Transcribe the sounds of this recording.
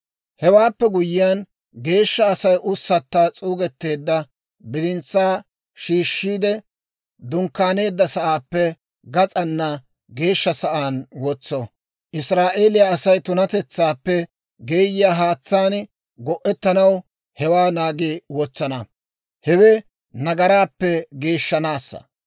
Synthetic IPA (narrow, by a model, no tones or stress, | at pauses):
hɛwaːpːɛɡʊjɪjan | ɡe̞ːʃːɐːsɐjʔʊsːɐt̪ːaːt͡sʼuːɡɛt̪ːe̞ːd̪ːɐ | bɪd̪ɪnt͡sːaː | ʃiːʃːiːd̪ɛ | d̪ʊŋkːaːne̞ːd̪ːɐsɐʔaːpːɛ | ɡɐt͡sʼɐnːɐ | ɡe̞ːʃːɐsɐʔaːnwɔt͡sːɔ | ʔɪsɾaːʔe̞ːlɪjaːsɐjt̪ʊnɐt̪ɛt͡sːaːpːɛ | ɡeːjɪjaːɦaːt͡sːaːn | ɡɔʔːɛt̪ːɐnɐw | hɛwaːnaːɡiwɔt͡sːɐnɐ | hɛwɛ | nɐɡɐɾaːpːɛɡe̞ːʃːɐnaːsːɐ̰